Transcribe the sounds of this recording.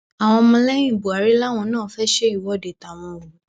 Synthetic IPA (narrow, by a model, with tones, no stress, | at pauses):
a˨w̃ɔ̃˧mɔ̃˧lɛ̃˦ĩ˦˨bu˨a˨ɾi˨˦la˦˨w̃ɔ̃˧nãː˦˨˦fɛ˦ʃe˦i˦˨wɔ˨˦˨de˨ta˨w̃ɔ̃˧o˨